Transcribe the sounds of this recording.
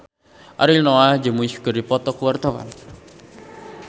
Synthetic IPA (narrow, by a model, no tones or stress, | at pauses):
ʔa̰ɾilnɔad͡ʒəmuisɡəɾipɔt̪ɔkuwart̪awa̰n